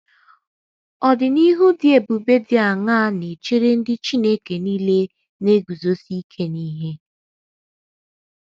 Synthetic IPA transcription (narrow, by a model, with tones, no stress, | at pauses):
ɔ˨dɪ˨ni˦ɦu˦dɪ˦e˨bu˨be˦dɪ˦a˨ŋa˦ne˨t͡ʃi˦ɾe˦n̩˦dɪ˦t͡ʃi˦ne˦ke˨niː˦le˦ | ne˦ɡu˨zo˦si˦kʰe˦ni˦ɦe˦